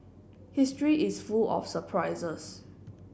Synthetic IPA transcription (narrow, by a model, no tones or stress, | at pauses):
histɹiʔisfulɔ̰fsəpʰɹaɪzəs